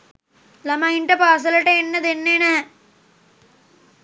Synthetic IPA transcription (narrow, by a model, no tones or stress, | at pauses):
lɐmɐiɳʈɐpaːs̬ɐlɐʈeenːɐd̪enːeːnɐɦɛ̃